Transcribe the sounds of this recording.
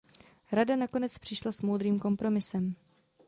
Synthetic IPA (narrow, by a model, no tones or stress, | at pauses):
ɾadanako̞nɛt͡spr̝̥ɪʃlasmoːd̪ɾiːmko̞mpɾo̞mɪsɛm